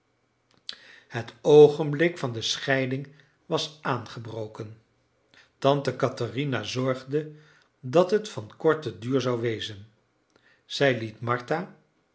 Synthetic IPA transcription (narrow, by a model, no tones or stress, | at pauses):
hətowχənblɪkfɑndəsχɛjdɪŋ | ʋɑsʔaːnχəbrowkən | tɑntəkɑtarinazɔɹχdə | dɑtɦətfɑnkɔɹtədyːɹzɑwʋejzən | z̥ɛjlitmɑɹtaː